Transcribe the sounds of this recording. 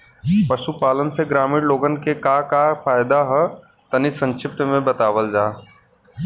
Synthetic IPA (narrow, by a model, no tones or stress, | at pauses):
pɐʃupaːlənseɡɾaːmɪːɽloːɡənkekaːkafʰaːɪd̪aɦɛ | t̪ɐnisə̃nʃɪp̚t̪mẽbət̪aːʋəld͡ʒaː